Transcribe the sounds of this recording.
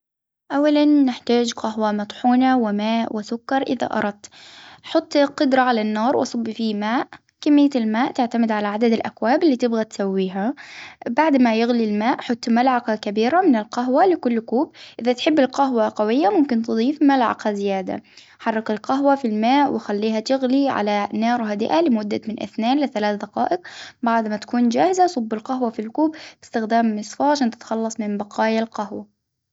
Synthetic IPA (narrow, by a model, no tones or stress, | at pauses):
ʔawːalanːɪħt̪aːd͡ʒqaɦwamɑt̪ˤħuːnawɪmaːʔwʔɪsʊkːɑɾˤʔɪða̰ʔɑ̰ɾˤɑd̪̚t̪ħʊt̪ˤːqʊd̪ɾˤɑʕalanːɑːɾˤwʔɑsˤʊbːfimaːʔ | kɪmːɪjːaɪlmaːʔt̪ɪʕt̪amɪd̪ʕalaʕad̪ad̪ɪlʔakwaːbɪlːiːt̪ɪbɣat̪sawːiːɦabaʕd̪majɪɣlilmaːʔħɑt̪ˤːmalʕɑqakabiːɾamɪnɪlqaɦwalɪkʊlːkuːb̚ʔɪðat̪ħɪbːɪlqaɦwaqawɪjːamʊmkɪnt̪ɨd̪ˤiːfmalʕɑ̰qhazɪjaːd̪a̰ | ħɑrˤːɑkɪlqaɦwafilmaːʔwɪjxalːiːɦat̪ɪɣliʕa̰lanɑːɾˤɦad̪ɪ̰ʔalɪmʊd̪ːa̰mɪnʔɪ̰θneːnlɪθalaːθd̪ɑqɑ̰ːʔɪq̚baʕd̪mat̪ḁkuːnd͡ʒaːhɪzasˤʊbːɪlqaɦwafilkuːbbɪ̥st̪ɪxd̪aːmːɪsˤfɑːʃɪnt̪ɪ̥t̪xɑlːɑsˤmɪmbɑqɑːjalqahwa